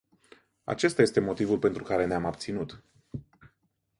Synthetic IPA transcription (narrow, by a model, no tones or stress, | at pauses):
a̰t͡ʃe̞st̪aje̞st̪e̞mo̞t̪ivulpe̞nt̪ɾukaɾe̞neamab̚t̪sinut̪